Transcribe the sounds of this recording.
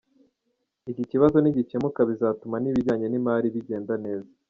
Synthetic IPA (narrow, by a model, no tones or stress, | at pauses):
iciciβazo̞niɟit͡ʃemukaβizaːtumaniβiɾɟaːɲe̞nimaːɾiβiɟe̞ːndane̞ːza